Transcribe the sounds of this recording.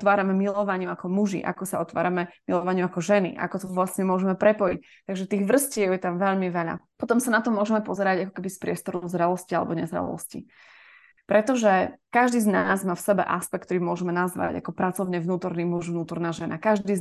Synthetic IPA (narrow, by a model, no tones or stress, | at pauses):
t̪ʋaːɾamɛmilɔʋaɲɪuakɔmuʒḭʔa̰kɔsaɔt̪ʋa̰ːɾamɛmilɔʋaɲɪuakɔʒɛnḭʔa̰kɔt̪ɔʋlasɲɛmʊɔʒɛmɛpɾɛpɔjic | t̪aɡʒɛt̪iːɣʋr̩scɪɛʊjɛt̪amʋɛʎmiʋɛʎa̰pɔt̪ɔmsanat̪ɔmʊɔʒɛmɛpɔzɛɾaɟakɔ̥kɛbispɾɪɛst̪ɔɾɔʊzɾɛlɔscialɛ̰bɔɲɛzɾɛ̰lɔ̰scḭ | pɾɛt̪ɔʒɛkaʒd̪iːznaːzmaːfsɛbɛ̰ʔaspɛk̚t̪ɔɾiːmʊɔʒɛmɛnazʋa̰ɟa̰kɔpɾat͡sɔʊɲɛvnuːt̪ɔɾniːmuʒvnuːt̪ɔɾnaːʒɛnakaʒdd̪iː